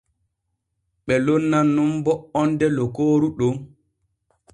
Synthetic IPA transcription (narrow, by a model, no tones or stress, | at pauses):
ɓɛlonːanːumbɔɔndɛlɔkoːɾuɗo